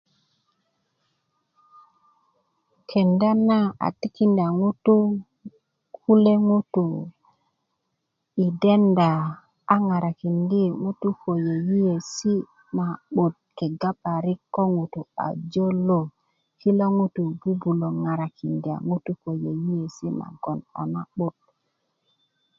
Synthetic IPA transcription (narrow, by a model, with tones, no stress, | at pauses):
kʰe˨nda˦na˦a̰˨ti˦ki˦nda˨ŋu˦tu˦ | kʰu˦le˦ŋu˦tu˨ | i˨de˦nda˨ | a˦ŋa˨ɾa˨ki˨ndi˦˨ŋu˦tu˦ko˨je˨ji˦je˨si˦ | ma˨ɓu˨t̚ke˨ɡa˦pa˨ɾi˦kːo˦ŋu˨tu˨a̰˨d͡ʒo˦lo˦ | ki˦lo˦ŋu˦tu˨ɡi˦bu˨lo˨ŋa˨ɾa˨ki˨ndi˨a̰˨ŋu˦tu˦ko˨je˨ji˦je˨si˦ma̰˨ɡo˨na̰˨na˦ɓu˦t̚